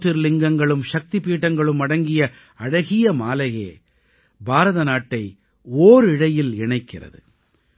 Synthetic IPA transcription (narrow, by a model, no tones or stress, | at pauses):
ʈːɪɾlɪŋɡɐŋɡɐɭɯmʃɐk̚t̪ɪpːiːʈːɐŋɡɐɭɯmɐɽɐŋɡɪjɐ | ɐɽɐɣɪjɐmaːlɐjḛː | bʱaːɾɐðɐnaːʈːɐɪ | oːɾɪɽɐjɪlɪɳɐɪkːɪrɐ̰ðɯ̰